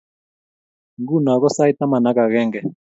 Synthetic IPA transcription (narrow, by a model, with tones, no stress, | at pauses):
ŋɡu˦˨n˨a˨kɔ˦sa˦i˦ta˦ma˨na˦ka˨ɣɛː˦ŋɡɛ˨